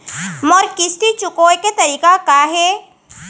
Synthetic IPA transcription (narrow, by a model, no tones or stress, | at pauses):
mɔɾkɪst̪it͡ʃʊkoːjket̪ɐɾiːkakaɦe